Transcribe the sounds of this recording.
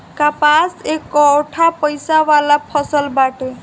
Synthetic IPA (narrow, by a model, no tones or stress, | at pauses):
kapasekɔʈʰapəjsawalapʰʌsəlbaʈe